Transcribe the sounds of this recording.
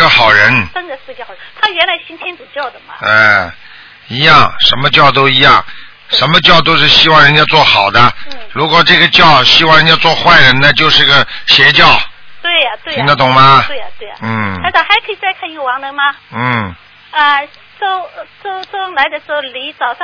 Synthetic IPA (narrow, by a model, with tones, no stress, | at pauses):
ə˧xɑ˨˩ʊɻə˧˥nt̪ə˥˧ŋd̪ə˧ʂɹ̩˥˧t͡ɕt̪ʰa˥ɥɛ˧˥nla˧˥ɪɕi˥nt̪ʰjɛ˥nt͡sɹ̩˨˩t͡ɕjɑ˥˩ʊd̪ə˩mɐ̰˩ɛ˥˧˩ | i˧˥jɑ˥˩ŋʂə˧˥nmə˧t͡ɕjɑ˥˩ʊt̪̬o˥ʊi˧˥jɑ˥˩ŋ | ʂə˧˥nmə˧t͡ɕjɑ˥˩ʊt̪o˥ʊʂɻ̩˥˩ɕi˥wɑ˥˩ŋɻə˧˥nt͡ɕja˥t͡swɔ˥˩xɑ˨˩ʊd̪ə˦˧ɻu˧˥kwɔ˨˩ʈ͡ʂɤ˥˩ɡə˧t͡ɕjɑ˥˧ʊɕi˥wɑ˥˩ŋɻə˧nt͡ɕja˥t͡swɔ˥˧xwa˥˩ɪɻə˧˥nna˥˧t͡ɕjo˥˧ʊʂɻ̩˥˩˧ɡə˩ɕjɛ˧˥t͡ɕjɑ˥˩ʊt̪we˥˩ɪɐ˩t̪we˥˧i˨ŋd̪ə˧t̪ʊ˨˩ŋmɐ˧we˥˩ɪ̰˨˩t̪we˥˩ɪ̰˨n̩ʰ˥˩a˥t͡sɑ˧˩xa˧˥ɪkʰɤ˧˥i˨˩t͡sa˥˧ɪkʰa˥˩ni˧˥ɡə˧wɑ˧˥ŋlə˧˥mɐ˧n̩˥˩ | ə˧ | t͡so˥˧ʊt͡so˥˩t͡sʊ˥la˧˥ɪd̪ə˧ʂɻ̩˧˥xo˥˧˩ʊli˧˥t͡sɑ˨˩ʊʂɑ˥˧